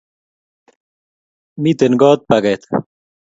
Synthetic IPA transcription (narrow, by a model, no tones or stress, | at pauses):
mit̪enɡɔːt̪̚pɐɡɐjt̪